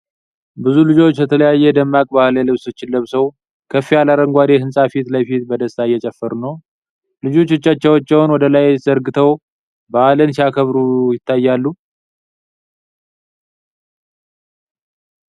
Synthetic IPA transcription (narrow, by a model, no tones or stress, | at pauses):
bɨzulɨd͡ʒo̞t͡ʃːbət̪ʰələjajːɛd̪əmːakʼbahləlɨβsot͡ʃːɪnlːəβsəw | kʰəfːijalaɾəŋɡʷad̪ehɨnsʼafit̪ləfit̪bəd̪əsajɛt͡ʃʼɛfːəɾnəw | lɨd͡ʒo̞t͡ʃːɨt͡ʃːat͡ʃːɛwt͡ʃːɛwnwɔd̪əlajz̥əɾɡɨt̪ʰəw | bəalənsijakʰəβɾujɪt̪ːajːalːu